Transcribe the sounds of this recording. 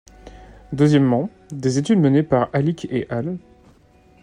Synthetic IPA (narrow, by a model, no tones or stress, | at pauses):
d̪əzjɛmːɑ̃ | d̪ezet̪yd̪mənepaʁalikʲeʔal